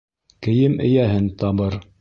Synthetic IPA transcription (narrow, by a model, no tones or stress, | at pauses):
kɘ̆jɘmɘ̰̆jæɦɘnt̪ɑβɤɾ